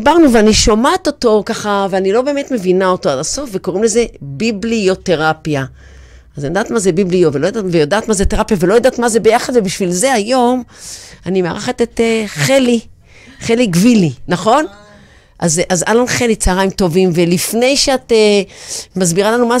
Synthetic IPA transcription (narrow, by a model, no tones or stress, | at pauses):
baʁnuveaniʃomat̪o̞to̞kaχaveanilo̞be̞eme̞t̪me̞vinao̞toadaso̞fve̞ko̞ʁimle̞ze̞biblio̞teʁapija | azanijodaːt̪mazebibliovelojoadavejodaːt̪mazet̪eʁapijavelo̞jod̪aːtmazebejaχad̪vebiʃvilze̞ajo̞manimea̰ʁeχat̪et̪eχeli | χeliɡvilinaχo̞n | ʔazazalanχelit͡saaʁaimto̞vimve̞lifne̞jʃeat̪emazbiʁalanuma